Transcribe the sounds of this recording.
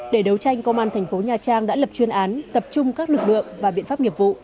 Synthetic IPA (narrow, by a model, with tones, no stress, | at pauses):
ɗe˧˩ɗə˨˦wt͡ɕa˧jŋ̟kə˧ŋ͡mʔaː˧nt̪ʰɛ˨˩ŋ̟fo˨˦ɲaː˨˩t͡ɕaː˧ŋɗa̰ː˧˥lə˨˩p̚t͡ɕwi˧ənʔaː˨˦nt̪ə˨˩p̚t͡ɕʊ˧ŋ͡mkaː˦˥k̚lɨ˨˩k̚lɨ̰˧˨əmvaː˨˩ɓḭ˧˨ənfaː˦˥p̚ŋi˨˩əp̚vṵ˧˨